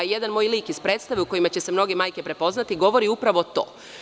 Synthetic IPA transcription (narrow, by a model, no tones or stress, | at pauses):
je̞d̪anmoːjliːkispɾet̪st̪aʋeuko̞jimat͡ɕe̞semno̞ɡemaːjke̞pɾe̞po̞znat̪iɡo̞ʋo̞ɾiupɾaʋot̪o̞̰ː